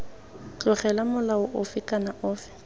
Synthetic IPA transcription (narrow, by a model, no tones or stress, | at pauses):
t͡ɬʼʊχɛlamʊlaʊʔʊfɪkʼanaʔʊːfɪ̥